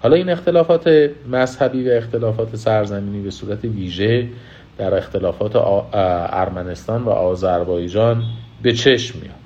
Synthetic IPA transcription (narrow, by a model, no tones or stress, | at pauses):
hɒːlɒːiːne̞xt̪e̞lɒːfɒːt̪ʰe̞mæzhæbiːvæe̞xt̪ʰe̞lɒːfɒːt̪ʰe̞sæɾzæmiːniːbe̞suːɾæt̪ʰeviːʒe̞ | d̪̥æɾe̞xt̪ʰe̞lɒːfɒːt̪ʰḛʔæ̰ɾmæne̞st̪ɒːnvæ̰ʔɒːzæɾbɒːjd͡ʒɒːnbe̞t͡ʃʰe̞ʃmːḭjɒ̰d̪̥